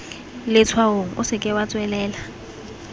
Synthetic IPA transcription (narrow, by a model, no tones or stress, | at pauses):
lɪt͡sʰwaoŋ̩ʔʊsɪkʼɪwat͡sʼwɛlɛːla